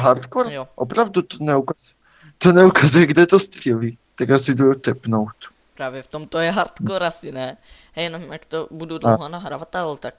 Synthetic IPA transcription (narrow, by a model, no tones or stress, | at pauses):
ɦaɾt̪koɾjʔopɾavd̪ut̪onɛukaz | t̪onɛukazujɛɡd̪ɛt̪ost̪r̥ɛliː | t̪aɡasɪd̪ujot̪ɛpnowt̪ | pɾaːvjɛft̪omt̪ojɛɦaɾt̪koɾasɪnɛ | ɦɛjɛnomjakt̪obudud̪aɦanaɦɾavat̪alt̪ak̚